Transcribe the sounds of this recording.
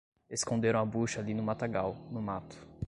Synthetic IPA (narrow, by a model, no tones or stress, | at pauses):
eskõnd̪eɾɐ̃w̃ɐbuʃɐalinʊmat̪aɡawnʊmat̪ʊ̥